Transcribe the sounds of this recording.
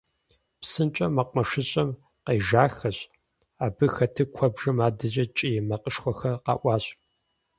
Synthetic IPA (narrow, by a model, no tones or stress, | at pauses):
psɨnt͡ʃʼɐmɐqʷʼmɐʂɨɕʼɐm | qeːʒaːxɐɕ | aːbɨxɐtʰɨkʷʰɔbʐɐmaːdɨʑʼɐt͡ʃʼijɛmɐqʼəʂxʷɔxɐqɑ̰ːʔʷɑːɕʼ